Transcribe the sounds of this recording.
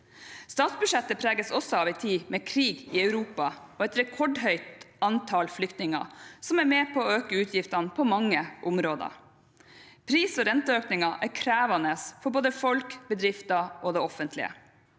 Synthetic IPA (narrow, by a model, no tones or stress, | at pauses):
st̪ɑːt̪sbʉʂɛt̪ːəpʰɾæːɡəsɔsːɔɑːʋɪt̪ʰiːmɛkʰɾiːɡɪœʉɾuːpɑɔːɛt̪ɾɛkʰɔɖɦœʏt̪ɑnt̪ʰɑːlflʏkt̪nɪŋɑ̰sɔmæɾmeːpʰɔːøːkəʉːt̪ʰjɪft̪ɑnəpʰɔmɑŋːəʔʊmɾoːd̪ə̰ | pʰɾiːsɔɾɛnt̪əøːknɪŋɑʔæɾkʰɾæːʋɑnəsfɔɾboːd̪əfɔlkbəd̪ɾɪft̪ɑɔd̪ɛɔfənt̪lɪ̰ə̰